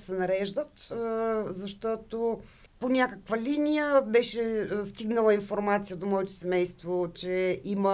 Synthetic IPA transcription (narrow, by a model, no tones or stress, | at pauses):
sɛnɐɾɛʒd̪ət̪ | zɐʃt̪ɔt̪o | ponʲakəkvəlinijəbɛʃɛst̪iɡnəlˠəinfoɾmat̪sijəd̪omɔɛt̪o̥sɛmɛjst̪vot͡ʃɛʔimə